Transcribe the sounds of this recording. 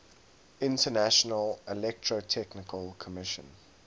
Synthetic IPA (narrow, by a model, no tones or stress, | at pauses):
ɪ̃ntənæʃənəlɪlɛk̚tʰɹotʰɛknɪkʰəlˠkʰəmɪʃə̰̃n